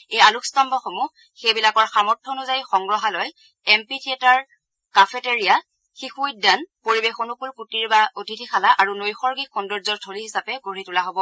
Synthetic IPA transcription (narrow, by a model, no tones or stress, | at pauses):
ejalukstambɔxomu | xejbilakɔɹxamɔɹtʰːɔnuzajxɔŋɡɹɔɦalɔj | ɛmpitʰiɛtaɹ | kafʰeteɹija | xixuidanpoɹibexonukulkutiɹbaotitʰixʰalaʔaɹunojxɔɹɡixundɔɹzɔɹtʰoliɦisapɛɡoɹitulaɦobɔ